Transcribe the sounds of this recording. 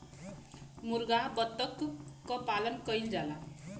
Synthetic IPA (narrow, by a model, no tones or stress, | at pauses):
murɡaɦbʌt̪ːʌkkʌpalʌnkʌjld͡zala